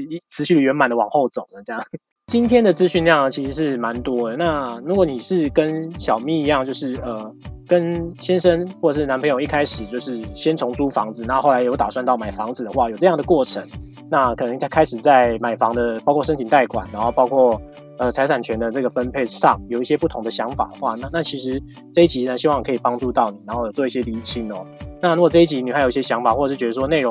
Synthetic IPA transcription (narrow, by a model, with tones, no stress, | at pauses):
t͡sʰɹ̩˧˥ɕy˥˩ə˨˩ɥɛ˧˥nma˨˩nd̪ə˦wɑ˨˩ŋxo˥˩ʊt͡so˨˩ŋnə˦t͡ɕɤ˥˧jɑ˥˨˩ŋ | t͡ɕi˥nt̪ʰjɛ˥nd̪ə˨t͡sɹ̩˥ɕy˥˧nljɑ˥˩ŋə˩t͡ɕʰi˧˥ʂ̩˧˥ʂɻ̩˥˩ma˧˦nt̪wɔ˥d̪ə˨na˥˩ɻu˧˥kwɔ˧˦ni˨˩ʂɻ̩˥˩kə˦˥nɕjɑ˨˩ʊmi˥˩˨i˧jɑ˥˧ŋt͡ɕjo˥˧ʊʂɻ̩˥˩ə˩kə˦˥nɕjɛ˥nʂə˥nxwɔ˥˩ʈ͡ʂʂ̬̩˥˩a˧npʰɤ˧˥jo˨˩ŋ˦i˥˩kʰa˥ɪʂɻ̩˨˩t͡ɕjo˥˧ʊʂɻ̩˥˩ɕjɛ˥nʈ͡ʂʰo˧˥ŋʈ͡ʂʰu˥fɑ̰˧˥ŋd͡zɹ̩˨na˥˧xo˥˩la˧˦jjʊt̪a˨˩swa˥˧nt̪ɑ˥˩ʊma˨˩ɪfɑ˧˥ŋd͡zɹ̩˨d̪ə˩xwa˥˩jo˨˩ʊʈ͡ʂɤ˥˧jɑ˥˩ŋd̪ə˩kwɔ˥˩ʈ͡ʂʰə˧˥ŋ | na˥˩kʰɤ˨˩nə˧˥ŋt͡sʰa˥˧kʰa˥ɪʂɻ̩˨˩t͡sa˥˩ɪma˨˩ɪfɑ˧˦ŋd̪ə˨pɑ˥kʰwɔ˥˩ʂ̬ə˥ŋt͡ɕʰi˨˩nt̪a˥˩ɪkʰwa̰˨˩nːa˧˥nxo˥˧ʊpɑ˥ʊkʰwɔ˥˩ | ə˨t͡sʰa˧˥ɪt͡sʰa˨˩nt͡ɕʰɥɛ˧˥nd̪ə˧ʈ͡ʂɤ˥˩ɡə˩fə˦npʰe˥˧ɪʂɑ˥˨˩ŋjo˨˩ʊi˥˩ɕjɛ˥pu˥˩t̪ʰʊ˧˥ŋd̪ə˨ɕjɑ˧˥ŋfa̰˨˩d̪ə˩xwa˥˧na˥˧na˥˩t͡ɕʰi˧˥ʂ̬ɻ̩˧˦ | ʈ͡ʂɤ˥˧i˥t͡ɕi˧˥˨na˧nɕi˧˥wɑ˥˩ŋi˨kʰi˨˩pɑ˥ŋʈ͡ʂu˥˧t̪ɑ˥˩ʊni˨˩a˧˥nxo˥˩ʊjo˨˩t͡swɔ˥˧i˥˩ɕjɛ˥li˧˥t͡ɕʰi˧˥nɔ˨˦na˥˩ɻu˧˥ɡɔ˨˩ʈ͡ʂɤ˥˧i˥˩t͡ɕʰi˧˥ni˨xa˧˥ji˥ɕjɛ˥ɕjɑ˧˥ŋfa˨˩xwɔ˥˩ə˩ʂɻ̩˥˩t͡ɕɥɛ˧˥ə˧ʂwɔ˥ne˥˩ɪɻo˧˦ŋ